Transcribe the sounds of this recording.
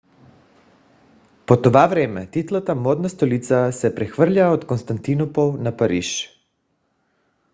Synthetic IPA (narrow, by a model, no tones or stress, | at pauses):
pot̪ovavɾɛmɛt̪it̪lˠat̪amod̪nast̪olit̪sasɛpɾɛxvr̩ʎaot̪konst̪ant̪inopolnapaɾḭʃ